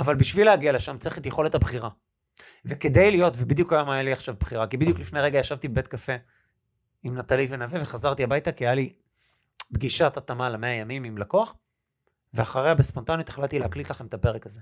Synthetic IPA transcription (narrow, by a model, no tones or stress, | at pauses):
avalbiʃvileaɡialeʃamt͡seχetjeχo̞le̞thabχiʁa | veked̪ejlijo̞tvebid̪jukajomajaliaχʃavbχiʁakibid̪juklifnejʁeɡajaʃavt̪ibbe̞t̪kafe̞ | imnat̪alivenaveve̞χazaʁt̪iabajt̪akiajali | bɡiʃatat̪amalameajamimimlakoaχ | veaχaʁeabespo̞nt̪anjot̪eχlatt̪ileaklit̪laχe̞met̪ape̞ʁekaze